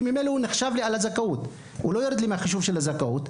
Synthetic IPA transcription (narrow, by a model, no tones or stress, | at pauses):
mimeleuneχʃavlialazakaut̪ | ṵlojoɾid̪limeaχiʃuvʃelazakaut̪